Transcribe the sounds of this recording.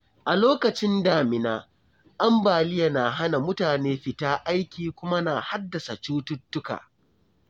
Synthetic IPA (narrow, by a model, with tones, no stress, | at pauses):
ʔa˨loː˦kɐ˨t͡ʃɪ˦ndaː˨mɪ˨naː˦ | ʔa˦mbaː˨lɪ˦ja˨na˨ɦa˦na˨mʊ˦taː˨neː˦ɸɪ˨taː˦ʔa˦jkʲiː˨kʷʊ˦ma˦na˨ha˦dːɐ˨sa˨t͡ʃuː˦tʊ˦tːʊ˦ka̰ː˨